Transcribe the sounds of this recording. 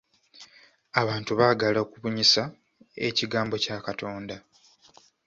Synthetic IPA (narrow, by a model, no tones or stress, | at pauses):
aβaːntuβaːɡalaokuβuɲisa | e̞̰ciɡaːmbo̞caːkatʰo̞ːnda